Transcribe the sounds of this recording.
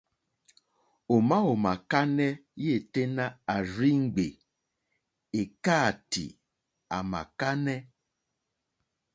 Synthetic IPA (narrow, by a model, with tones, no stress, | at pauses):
o˨ma˦o˨ma˨ka˦nɛ˦je˦˨te˦nã˦a˨ɾi˦ŋ̩˦ɡ͡be˨ | e˨ka˦˨tḭ˨ | a̰˨ma̰˨ka˦nɛ˦